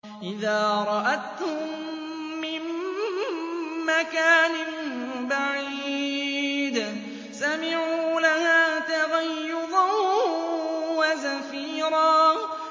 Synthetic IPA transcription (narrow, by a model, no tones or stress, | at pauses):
ʔɪðaːɾˤɑʔat̪hʊmm | mːɪn | makaːnɪnbaʕiː | d̪ | samɪʕuːlahaːt̪aɣajːʊɾˤɑ | wazafiːɾɑː